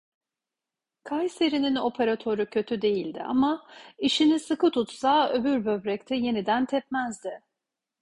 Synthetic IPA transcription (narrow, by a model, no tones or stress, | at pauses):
kʰajseɾinino̞pʰeɾat̪ʰo̞ɾucʰø̞t̪ʰyd̪e̞jilʲd̪ɪ̰a̰maiʃinisɯkɯt̪ʰut̪saøbyɾbøbɾɛct̪ʰɛje̞nid̪ænt̪ʰɛp̚mæzd̪ɪ